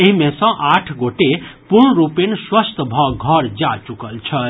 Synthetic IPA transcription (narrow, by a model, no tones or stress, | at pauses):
eɦimẽsʌ̃ʔaʈʰɡoʈepuɾɳɾupenswəst̪bʱʌɡʱʌɾd͡ʒat͡ʃukəlt͡ʃʰʌ